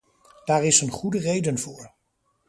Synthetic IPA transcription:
d̥aːɹɪsənχudərejdənvʊːɹ

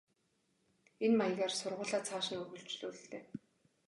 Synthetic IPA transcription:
enmaj̆ɣaːrsʊrʁʊːɮaːt͡sʰaːʃĭŋɵrɣɵ̆ɮt͡ɕɮuːr̆ɬt̪eː

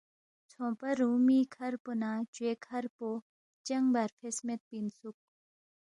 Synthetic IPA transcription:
t͡sʰɔpaɾumiːkʰarponat͡ɕwekʰaɾpo | t͡ɕaŋbaɾpʰesmet̪̚pinsʰuk̚

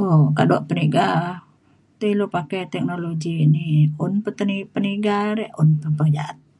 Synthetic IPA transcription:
okaduaʔpəniɡa | t̪əilopakajt̪ɛk̚noloɡiːniunpət̪ənipəniɡaɾɛʔunpəpərd͡ʒaat̪̚

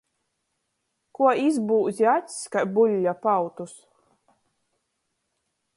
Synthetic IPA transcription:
kuɔizbuːzʲiat̪ʲssʲkaɾbulʲːapawt̪us

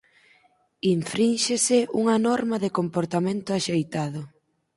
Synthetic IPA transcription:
iɱfɾinʃesɪuŋɐnɔɾmɐðɪkompoɾt̪amẽnt̪ʊaʃejt̪aðʊ

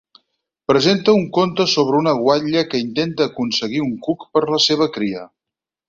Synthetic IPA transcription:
pɾəzent̪əuŋkont̪əsoβ̞ɾəunəɣwaʎəkəint̪ent̪əːkunsəɣ̞iuŋkukpəɾləseβ̞əkɾiə

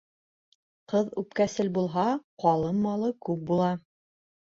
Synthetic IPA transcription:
qɤðʉp̚kæsɘlbulˠɦɑqɑlˠɤmːɑlˠɤkʉp̚bulˠɑ

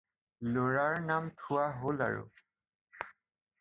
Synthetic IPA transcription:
loɹaɹnamtʰʊwaɦola̰ɹʊ̰

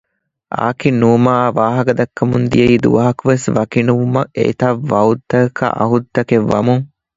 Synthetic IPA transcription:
ʔa̰ːkinːumaːʋaːɦɐɡɐd̪ɐkːɐmund̪ijɐid̪ṵʋɐɦɐkuʋesʋɐkinuʋumɐḛːt̪ɐʋːɐud̪ːɐkɐ̰ʔɐ̰ɦud̪ːɐkeʋːɐ̰muŋ

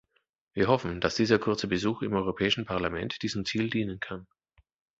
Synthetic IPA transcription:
viːɐɦɔfn̩d̥asd̥iːzɐkʰʊɐt͡səbəzuːxɪmʔɔʏʁopʰɛːɪʃn̩pʰaɐlamɛntd̥iːzm̩t͡siːldiːnənkʰan

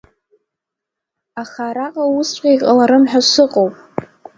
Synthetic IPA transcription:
aχaɾaqʼausʷʼqʲʼejqʼalaɾɨmħʷᶣasʷɨqʼowpʼ

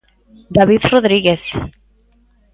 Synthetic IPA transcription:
d̪aβiðroðɾiɣeθ

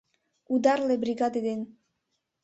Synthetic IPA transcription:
ud̪aɾlebɾiɣad̪ed̪en

